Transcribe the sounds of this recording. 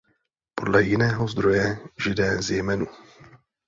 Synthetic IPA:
po̞dlɛjɪnɛːɦo̞zd̪ɾo̞jɛʒɪdɛːzjɛmɛnu

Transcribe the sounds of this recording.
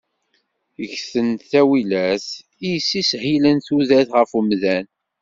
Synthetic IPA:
əçθənθæwilæθ | ijəsːishilənθuðæθʁəfumðæn

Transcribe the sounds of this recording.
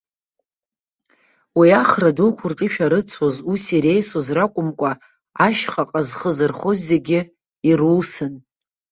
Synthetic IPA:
wiaχradukʷʰʊrtʼiʃᶣaɾɨt͡sʰozusiɾe̞jsozrakʷʼʊmkʷʼa | aʃχaqʼazχəzɨrχo̞zːe̞ɡʲɪ | iruːsɨn

